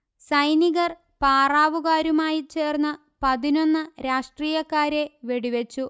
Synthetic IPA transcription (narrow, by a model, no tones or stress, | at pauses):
sɐjniɣɐr | paːraːʋuɣaːɾumaːjit͡ɕe̞ːrnːɐ | pɐðino̞nːɨɾaːʂʈriːjɐkːaːɾe̞ʋe̞ɽiʋet͡ɕːu